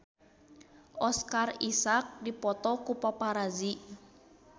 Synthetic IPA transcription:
ʔɔskarisak̚dipɔt̪ɔkupapaɾazi

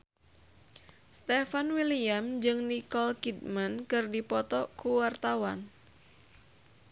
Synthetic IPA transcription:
st̪efanwiliamd͡ʒɨŋnikɔlkid̚mankɨrdipɔt̪ɔkuwart̪awan

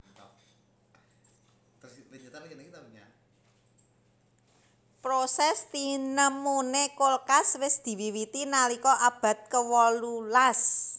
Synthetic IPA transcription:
t̪ɔ | t̪id͡ʒat̪akənekit̪aɲa̰ | pɾosɛst̪inəmonekolkaswɪsd̪̥i̤wiwit̪inalikɔʔab̥a̤t̪̚kəwɔlulas

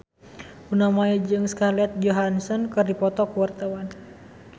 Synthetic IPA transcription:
ʔunamaɛd͡ʒɨŋskalɛt̪̚d͡ʒɔɦansɔnkɨrdipɔt̪ɔkuwart̪awan

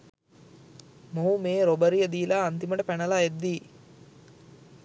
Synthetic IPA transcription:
moɦumeːɾobəɾijəd̪iːlaːnt̪iməʈəpænɐlaed̪ːiː

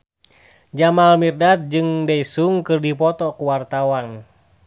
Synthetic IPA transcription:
d͡ʒamalmirdat̪̚d͡ʒɨŋdaisuŋkɨrdipɔt̪ɔkuwart̪awan

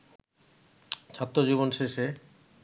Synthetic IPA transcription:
t͡ɕʰat̪ːɾod͡ʑiβonʃeʃe

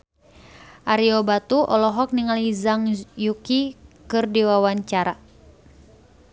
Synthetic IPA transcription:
ʔaɾiɔbat̪uʔɔlɔɦɔk̚niŋalizaŋjukikɨrdiwawaɲt͡ʃaɾa

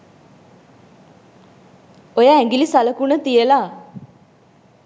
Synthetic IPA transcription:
ojaæŋɡilisaləkunət̪ijəlaː

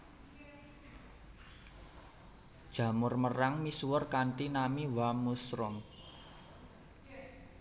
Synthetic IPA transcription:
d̥ʒ̥ä̤mʊrməraŋmisuwərkanʈinamiwamusɾɔŋ

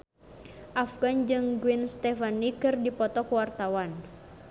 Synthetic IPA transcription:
ʔafɡand͡ʒɨŋɡuinst̪ɛfanikɨrdipɔt̪ɔkwart̪awan

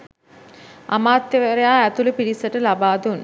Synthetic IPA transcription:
ʔa̰maːt̪jeʋɐɾejaːæt̪ulupiɽisəʈəlabaːd̪un

